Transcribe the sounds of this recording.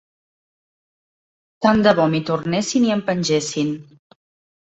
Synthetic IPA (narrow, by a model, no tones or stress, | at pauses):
t̪and̪əβɔmit̪urnesiniəmpənʲʒesin